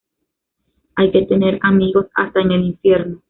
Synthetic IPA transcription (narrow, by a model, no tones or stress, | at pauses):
ajke̞t̪e̞ne̞ɾamiɣo̞sa̰st̪aeŋe̞liɱfje̞ɾno